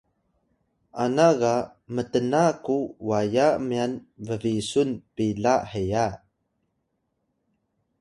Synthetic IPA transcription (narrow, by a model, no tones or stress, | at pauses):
ʔanaɣa | mətənakuwajamianvəvisunpiɮahəja